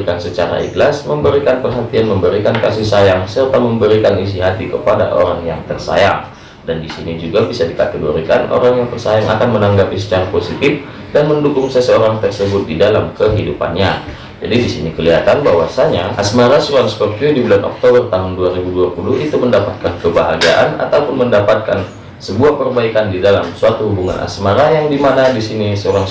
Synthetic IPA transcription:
kansət͡ʃaɾa̰ḭklasməmbəɾikanpərɦat̪ianməmbəɾikankasɪhsajaŋsərt̪aməmbəɾikanis̬iɦat̪ikəpada̰ʔo̰ɾaŋjaŋt̪ərsa̰ja̰ŋ | dandisinid͡ʒuɡabisadikat̪ɛɡoɾikanʔo̰ɾaŋjaŋt̪ərsajaŋʔa̰kanmənaŋɡapisət͡ʃaɾaposit̪ɪf | danməndukʊŋsɛsəoɾaŋt̪ərsəbʊt̪̚didalamkəɦidupa̰nɲa | d͡ʒa̰didisḭnikəliɦat̪anbaɦwasaɲaʔasmaɾasoɾaŋsə̥pərt̪iudibulanʔɔ̰k̚t̪obərt̪aɦʊnduaɾibuduapuluɦit̪uməndapat̪̚kankəbaɦa̰ɡa̰ʔa̰na̰t̪aupʊnməndapat̪̚kan | səbuahpərbaikandidalamsuat̪uhubuŋa̰na̰smaɾajaŋdimanadisinisəoɾaŋ

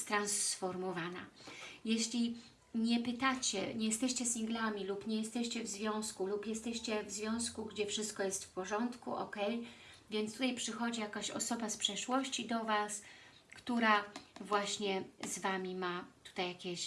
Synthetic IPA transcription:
st̪ɾansfɔɾmɔvana̰jɛɕlʲi | ɲɛpɘt̪at͡ɕɛɲɛjɛst̪ɛɕt͡ɕɛsʲiŋɡlamʲilupɲɛjɛst̪ɛɕt͡ɕɛvzvʲjɔ̃w̃skulupjɛst̪ɛɕt͡ɕɛvzvʲjɔ̃w̃skuɡd͡ʑɛfʂɘst̪kɔjɛst̪fpɔʐɔnt̪kṵʔɔ̰kɛj | vʲjɛnt̪st̪ut̪ajpʂɘxɔd͡ʑijakaɕɔ̰sɔbaspʂɛʂwɔɕt͡ɕid̪ɔvas | kt̪uɾavwaɕɲɛzvamʲimat̪u̥t̪ajːakʲɛɕ

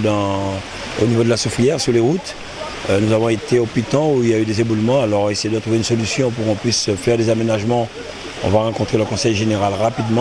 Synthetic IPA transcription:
d̪ɑ̃ | o̰nivod̪əlasufijɛʁsyʁleʁut̪ | nuzavɔ̃et̪eopit̪ɑ̃uiljayd̪ezebulmɑ̃alɔʁesejed̪ət̪χuveynsɔlysjɔ̃puʁkɔ̃plisfɛʁd̪ezamenaʒmɑ̃ | ɔ̰̃vaʁɑ̃kɔ̃t̪χeləkɔ̃sɛjʒeneʁalʁapid̪mɑ̃

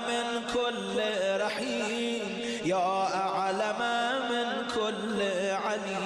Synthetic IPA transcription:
menkʰolːɾˤɑħiː | m | jɑːʔaʕlamamen | kʰolː | ʕali

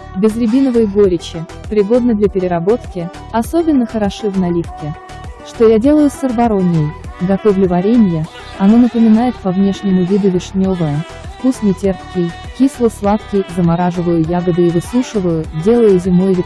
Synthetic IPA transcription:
bʲɪzɾʲɪbʲinəvəjɡo̞ɾʲɪt͡ɕɪ | pɾʲɪɡo̞d̪̚nəd̪lʲɐpʲɪɾʲɪɾɐbo̞t̪kʲɪ | ɐsobʲɪnːəxəɾɐʂɨvnɐlʲifkʲɪ | ʂt̪o̞jadʲe̞lˠəjʊsʲərbɐɾo̞nʲɪjəjɡɐt̪o̞vlʲʊvɐɾʲemʲjə | ɐno̞nəpəmʲɪnajɪt̪pɐvnʲe̞ʂnʲɪmʊvʲid̪ʊvʲɪʂnʲo̞vəjə | fkusnʲɪtʲe̞rpkʲɪj | kʲislˠəslˠat̪kʲɪjzəmaɾaʐɨvəjʊjaɡəd̪ɨɪvɨsuʂɨvəjʊdʲe̞lˠəjʊzʲɪmojvʲɪ

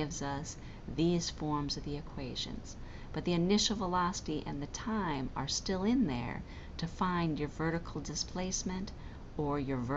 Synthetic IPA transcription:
ɪvzʌs | ðiz̥fɔɹmzʌvðiɨkʰw̥eɪʒɨ̰̃nz̥ | b̥ʌt̪̚ðiɨnɪʃl̩ˠvəlɑsəɾiʔɨ̰̃nðɨtʰãɪ̃mə̰˞stɪlˠɪ̃nðə̰˞ | ɾɨfãɪ̃nd͡ʒjə˞vɜ˞ɾɨkʰl̩ˠdɨspʰl̥eɪsmɨ̃nt | ə˞jə˞v

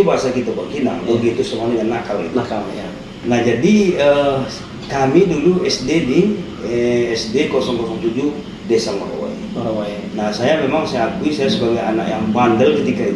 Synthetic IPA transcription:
ubaɦasakit̪abakina̰ŋbakiit̪usəmuɦadəŋanːakalḭt̪aam | nahd͡ʒadiə | kamiduŋluɛsdedi | ɛsdekosɔŋkɔsɔŋtud͡ʒu | desaməɾo̰wa̰j | nahsajamemaŋsajaːkuisajasəbaɡajana̰kjaŋbandəlkət̪ikai

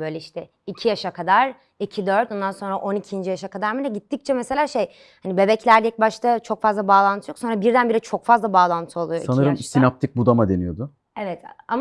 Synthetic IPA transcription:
bø̞jlʲɛiʃt̪ʰɛ | icʰijaʃakʰad̪aɾ̥ | icʰid̪øɾt̪ond̪anso̞nɾaʔo̞nicʰind͡ʒijaʃakad̪aɾmilɛɟit̪ːic̚t͡ʃʰɛmese̞lʲaːʃej | hanibe̞bɛclʲæɾlʲɛc̚baʃt̪ʰat͡ʃʰo̞kfazlˠabaːlˠant̪ʰɯjokso̞nɾabiɾd̪ænbiɾɛt͡ʃʰo̞kfazlˠabaːlˠant̪ʰɯo̞lˠujosanɯɾɯmsinap̚t̪ʰik̚bud̪amad̪e̞nijo̞d̪ʊ | evɛt̪ʰama

